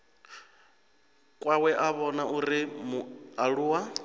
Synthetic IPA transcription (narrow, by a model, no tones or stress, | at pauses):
kʼwawɛʔaβɔnaʔuɾimuaɺuːwa